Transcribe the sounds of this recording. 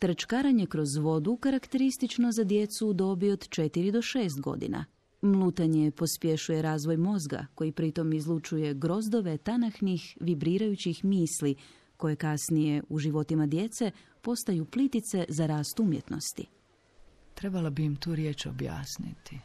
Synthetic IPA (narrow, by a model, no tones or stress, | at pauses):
t̪ɾt͡ʃkaɾaɲe̞kɾo̞zʋo̞d̪ukaɾakt̪e̞ɾist̪it͡ʃno̞zad̪je̞t̪sud̪o̞bio̞d̪t͡ʃe̞t̪iɾid̪o̞ʃeːst̪ɡo̞̰d̪ḭna̰ | mlˠuːt̪aɲe̞po̞spje̞ʃuje̞ɾaːzʋo̞jmo̞zɡa̰ko̞jipɾit̪o̞mizlˠut͡ʃuje̞ɡɾo̞zd̪o̞ʋe̞t̪anaxnixʋibɾiːɾajut͡ɕixmiːsli | ko̞je̞kasnije̞uʒiʋo̞t̪imad̪je̞t̪se̞ | po̞st̪ajuplit̪it̪se̞zaɾaːst̪umjḛt̪no̞̰st̪ḭ | t̪ɾe̞balabimt̪uːɾjeːt͡ʃo̰bja̰ːsnḭt̪i